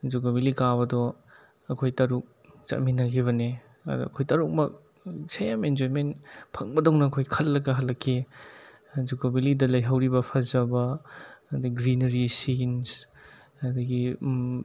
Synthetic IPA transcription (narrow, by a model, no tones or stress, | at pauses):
d͡ʒukobilikaβɐdɔ | ɐkʰojtɐɾuk̚ | t͡ʃɐ̰minɐɡiβɐne | ɐ̰dɐ̰kʰojtɐɾuk̚mɐk̚ | sejamend͡ʒoɾmenpʰɐŋbɐdoŋnɐːkʰojkʰɐlːɐɡɐɦɐlːɐkʰːe | zukobilidɐlɐjɦɐwɾibɐpʰɐzɐbɐ | diɡɾinɐɾisins | ɐd̪ɐɡi